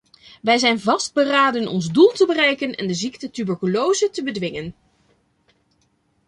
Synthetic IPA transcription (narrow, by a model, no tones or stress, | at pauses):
ʋɛjzɛjnvɑsd̚bəraːdənɔ̰nzdulˠtəbərɛjkənɛ̰ndəziktətybəɹkylowzətəbədʋɪŋən